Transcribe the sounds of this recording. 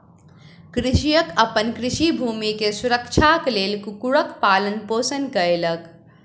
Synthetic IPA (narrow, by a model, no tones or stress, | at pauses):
kɾɪʃijəkəpənkɾɪʃibʱuːmikesuɾəkt͡ʃʰakleːlkukuɽəkpaːlənpoːsənkəɾelək